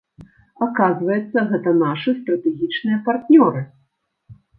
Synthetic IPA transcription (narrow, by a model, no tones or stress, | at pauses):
akazvɐjɛt̪sːɐɣɛt̪ɐnaʂɨst̪ɾɐt̪ɛɣʲit͡ʂnɨjɐpart̪nʲɔɾɨ